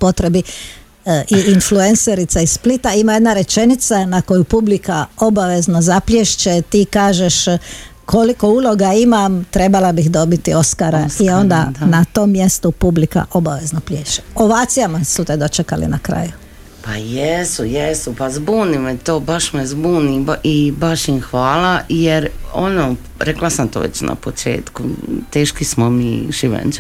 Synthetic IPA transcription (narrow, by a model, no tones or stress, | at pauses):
po̞t̪ɾe̞bi | ʔiinflue̞nseɾit̪saisplit̪aimaje̞d̪naɾe̞t͡ʃe̞nit̪sanako̞jupublikao̞baʋe̞znozapljeʃt͡ʃet̪iːkaːʒeʃkʰo̞liko̞uːlˠo̞ɡaimamt̪ɾe̞balabixd̪o̞bit̪io̞skaɾaio̞nd̪anat̪o̞ːmːje̞st̪upublika̰ʔo̞baʋe̞znoplʲjeːʃt͡ʃe̥o̞ʋaːt̪sijamasut̪ed̪o̞t͡ʃekalḭnakɾa̰ju | pajesujesupazbuːnimet̪oːbaʃmezbuːniʔibaʃinxʋaːlajeɾono | ɾeklasamt̪o̰ːʋḛt͡ʃna̰pot͡ʃḛːt̪kut̪eːʃkismomiʒiʋḛnt͡ʃ